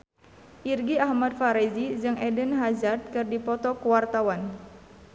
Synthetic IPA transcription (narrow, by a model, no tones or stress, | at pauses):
ʔirɡiahmad̚faɾɛzid͡ʒɨŋɛdənɦazad̪̚kɨrdipɔt̪ɔkuwart̪awan